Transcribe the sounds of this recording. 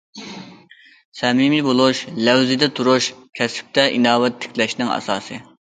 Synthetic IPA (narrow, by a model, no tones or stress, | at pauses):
sɛmimibolˠuʃlɛwzɪd̪ɛt̪ʰuɾuʃkʲʰɛsɪ̥p̚t̪ʰɛʔinɑːwɛt̪ʰːɪ̥kʲʰlɛʃnɪŋɑ̰sɑ̰ːsɨ